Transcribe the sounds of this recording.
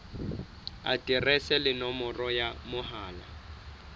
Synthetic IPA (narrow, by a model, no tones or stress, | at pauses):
a̰tʼirɛsɛlɪnɔmɔrɔjamʊɦaːla̰